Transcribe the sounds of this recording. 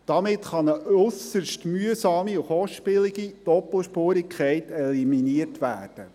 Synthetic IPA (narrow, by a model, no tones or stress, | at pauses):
d̥ɑmɪtχɑnəʔɵsəʃtmyəsɑːmiʊχɔʃpɪliɡid̥ɔpl̩ʃpoːɾɪkʰχɛɪtɛliminiərtʋæ̰ːrd̥ə